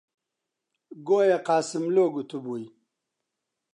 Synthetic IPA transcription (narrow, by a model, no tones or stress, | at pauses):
ɡojaqaːsimloːɡut̪ʰubui